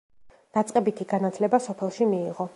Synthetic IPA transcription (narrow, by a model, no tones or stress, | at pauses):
d̪̥at̪sʼqʼɛbit̪ʰiɡanat̪ʰlɛbasɔpʰɛlˠʃimiːʁɔ